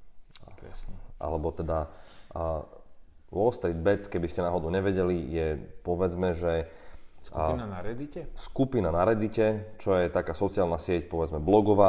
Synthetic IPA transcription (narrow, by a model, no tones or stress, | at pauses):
ʔa̰lɛbɔt̪ɛd̪a | ʋɔlst̪ɾid̪̚bɛt͡skɛbiscɛnaːɦɔd̪uʊɲɛʋɛɟɛlijɛpɔʋɛd͡zmɛʒɛ | naɾɛd̪icɛskupinanaɾɛd̪icɛt͡ʃɔjɛt̪akaːsɔt͡siaːlnasɪɛcpɔʋɛd͡zmɛblɔɡɔʋaː